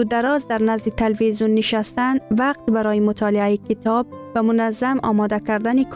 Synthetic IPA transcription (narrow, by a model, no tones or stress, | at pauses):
ud̪aɾɒzd̪aɾnazd̪it̪ʰelvizjunːɪʃast̪anvaq̚t̪baɾɒːjimʊt̪ʰɒlɪajikʰit̪ʰɒb̚vamʊnazːamɒ̰mɒd̪akaɾd̪anikʰ